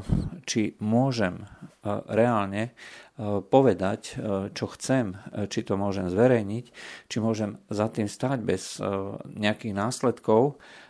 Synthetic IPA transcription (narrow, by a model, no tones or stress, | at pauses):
t͡ʃimʊɔʒɛm | ɾɛaːlɲɛ | pɔʋɛd̪act͡ʃɔxt͡sɛmt͡ʃit̪ɔmʊɔʒɛmzʋɛɾɛjɲict͡ʃimʊɔʒɛmzat̪iːmst̪aːɟbɛz̥ɲɛakiɣnaːslɛt̪kɔʊ